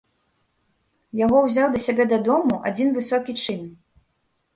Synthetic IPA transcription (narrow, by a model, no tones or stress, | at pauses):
jaɣɔwzʲawd̪ɐsʲabʲɛd̪ad̪ɔmuʔa̰d͡zʲinvɨsɔkʲit͡ʂɨn